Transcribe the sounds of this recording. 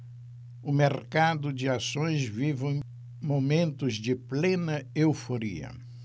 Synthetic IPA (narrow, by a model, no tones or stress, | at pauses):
ʊmeɾkad̪ʊd͡ʒɪasõj̃zvivɐ̃ | momẽnt̪ʊzd͡ʒɪplẽnɐewfoɾḭɐ̰